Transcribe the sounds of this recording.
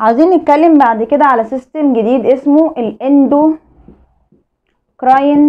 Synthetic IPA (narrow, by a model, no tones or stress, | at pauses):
ʕawziːnːet̪̚kælːembaʕd̪ked̪æʕalæsist̪emɡed̪iːd̪ʔesmoʔelʔend̪o | kɾɑːjn